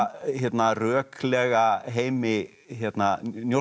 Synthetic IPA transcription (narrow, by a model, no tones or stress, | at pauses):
çjɛt̪narœːkʰlɛɣaɦeːjmɪ | çjɛt̪nanjo